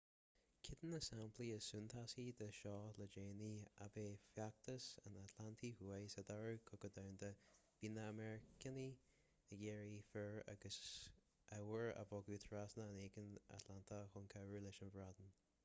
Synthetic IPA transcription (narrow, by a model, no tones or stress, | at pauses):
kʰɪd̪ənəsampʰliəsunt̪ʰasid̪əʃɔːləd͡ʒeːnia̰beːfjak̚t̪ʰəsə̰nat̪ʰlant̪ʰihuajsɛd̪aɹukʰʊkəd̪awnd̪əb̥iːnəːmɛɹɪkəni | əɡeːɹifəɹa̰ɡəs | ʔawəɹə̰bɔɡuːt̪ʰɹasnəəneːɡəna̰t̪ʰlant̪ʰəxʊnkʰawɹuːlɪʃənvɹad̪ən